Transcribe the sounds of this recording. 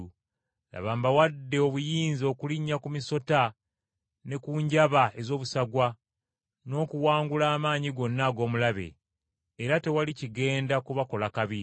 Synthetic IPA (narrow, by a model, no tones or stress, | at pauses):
ja̰βaːmbawadːe̞oβujiːnzo̞ːkuliɲːakumiso̞ta | ne̞kuɲɟaβae̞zo̞ːβusaɡwa | no̞ːkuwaːŋɡulaːmaːɲiɡo̞nːaɡo̞ːmulaβe̞̰ː | ɾate̞waliciɡe̞ːndakuβako̞lakaβi